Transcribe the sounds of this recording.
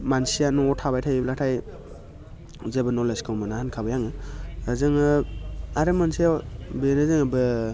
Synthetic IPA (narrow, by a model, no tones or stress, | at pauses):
mansijanuɔtʰabajtʰajiblatʰaj | zebɯnɔleskʰɯwmɯnahankʰabɯjaŋɯːzɯŋɯaɾɯmansijabenɯzɯŋɯbɯ